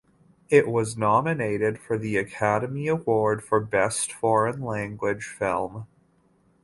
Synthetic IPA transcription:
ɪʔ̚wʌznɑmɨneɪɾɪd̥fə˞ðiɨkʰæɾɨmiɨwɔɹd̥fə˞bɛstfɔɹɨ̃nlæ̃ŋɡwɪd̥ʒ̥fɪ̰lˠm

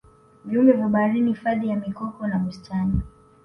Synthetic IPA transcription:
viumbɛvaɓaɾinifaðijamikɔkɔnamustʰani

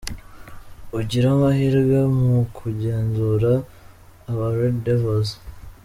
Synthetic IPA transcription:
uɟiɾamahiɾɡamukʰuɟe̞ːnzuɾaː | βaɾeddevoz

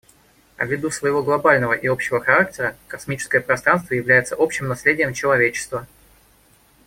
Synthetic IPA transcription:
ɐ̰vʲːɪd̪usvəjɪvo̞ɡlˠɐbalʲnəvəʔɪo̞pɕːɪvəxɐɾak̚tʲɪɾəkɐsmʲit͡ɕɪ̥skəjəpɾɐst̪ɾanst̪vəjɪvlʲæjɪt̪səʔo̞pɕːɪmnɐslʲedʲɪjəmt͡ɕɪlˠɐvʲet͡ɕɪ̥st̪və

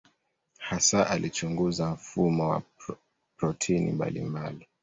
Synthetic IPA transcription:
hasaʔalit͡ʃuŋɡuzam̩fumɔwa̰ | pɾɔtʰinḭmba̰lḭmbali

